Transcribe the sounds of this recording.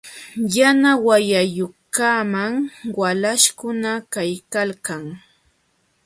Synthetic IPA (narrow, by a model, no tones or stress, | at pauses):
janawajajʊkaːmaŋwalaʃkʊnakajkalkaŋ